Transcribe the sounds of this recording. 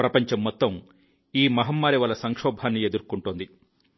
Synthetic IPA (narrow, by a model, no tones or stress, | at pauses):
ɾɐpɐɲt͡ʃɐmːɔt̪ːɐm | iːmɐɦɐmːaːɾiʋɐlɐsɐŋkʂɔːbʱaːnːied̪uɾukuɳʈund̪i